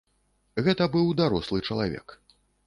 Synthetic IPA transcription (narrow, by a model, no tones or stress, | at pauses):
ɣɛt̪ɐbɨwd̪aɾɔslˠɨt͡ʂɐlˠavʲɛ̰k